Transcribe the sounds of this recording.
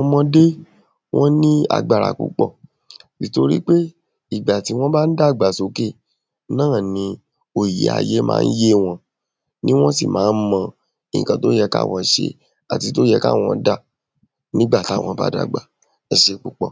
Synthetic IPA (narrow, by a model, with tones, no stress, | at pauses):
ɔ˧mɔ̃˧de˦ | w̃ɔ̃˦nĩ˦a̰˧˨ɡ͡ba˨ɾa̰˨k͡pṵ˨k͡pɔ˦˨ | si˨to˧ɾḭ˦k͡pe˦ | i˦˨ɡ͡ba˨ti˨˦w̃ɔ̃˦ba˦n̩˦da˦˨ɡ͡ba˨so˨˧˦ke˦˨ | nãː˦˨nĩ˧ | o˨i˨ḛ˨˦a̰˨˧je˦mã̰ː˦n̩˦je˦w̃ɔ̃˧ | nĩ˦w̃ɔ̃˦sḭ˦˨mãː˨˦n̩˦mã˧ | ĩ˨ĩ˨kã˧to˦jɛ˧ka̰˦˨w̃ɔ̃˧˦ʃḛ˧ | a˨ti˧to˦jɛ˧ka̰˦˨w̃ɔ̃˧˦da˦˨ | nĩ˦ɡ͡ba˦˨tw̃ɔ̃˧˦ba̰˦da̰˦˨ɡ͡ba˨ | ɛ˧ʃe˧k͡pu˨k͡pɔ˦˨